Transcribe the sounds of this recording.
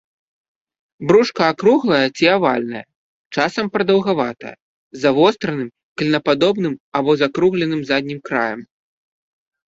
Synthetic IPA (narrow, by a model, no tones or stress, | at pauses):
bɾuʂkɐːkɾuɣlˠɐjɐt͡sʲiavalʲnɐjɐ̰ | t͡ʂasɐmpɾɐd̪ɐwɣavat̪ɐ̰jɐ̰ | zavɔst̪ɾɐnɨm | kɐlʲnɐpad̪ɔbn̪ɨmabɔzakɾuɣlʲɛnɨmzad̪ʲnʲimkɾa̰jɐm